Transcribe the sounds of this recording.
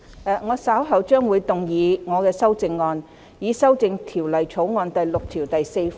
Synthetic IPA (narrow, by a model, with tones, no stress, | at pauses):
ɛ˨˧ŋɔː˨˧saː˨˥wɦɐ˨˩wt͡ʃœː˥ŋwuː˨˧jt̪ʊ˨ŋjiː˨˧ŋɔː˨˧kɛː˧sɐ˥wt͡sɪ˧ŋːɔː˧n | jiː˨˧˥sɐ˥wt͡sɪ˧ŋt̪ʰiː˨˩wlɐ˨jt͡sʰo˨˥wŋɔː˧nt̪ɐ˨jlʊ˨k̚t̪ʰiː˨˩wt̪ɐ˨jse˧jf